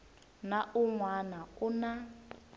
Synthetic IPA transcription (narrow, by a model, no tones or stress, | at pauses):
naʔuŋwanauna